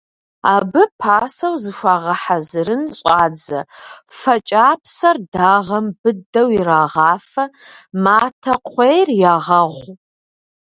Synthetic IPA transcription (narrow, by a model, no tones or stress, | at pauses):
aːbɨpʰaːsɐwzɨʃʷaːʁɐħazɨɾɨnɕʼaːd͡zɐ̰fɐt͡ʃʼaːpʰsɐrdaːʁɐmbɨdɐwiɾaːʁɑːfɐmaːtʰɐqʷejrjaːʁɐʁʷ